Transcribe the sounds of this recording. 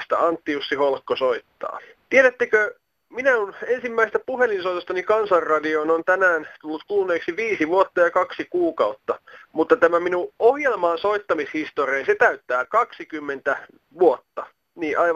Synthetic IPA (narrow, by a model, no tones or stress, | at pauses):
st̪æ̰ɑnt̪ːijusːiholkːosoit̪ːɑ̰ː | t̪ieɾæt̪ːekø | minæunensimːæisest̪æpuhelinsoit̪ost̪ɑnikɑnsɑrrɑdionont̪ænæːnt̪ulːut̪kulneːksiʋiːsiʋuot̪ːɑjɑkɑksikuːkɑut̪ːɑmut̪ːɑt̪æmæminuohjelmɑːnsoit̪ːɑmishist̪oriɑnset̪æyt̪ːæːkɑksikymːent̪æ | ʋuot̪ːɑ | niːʔɑiʋ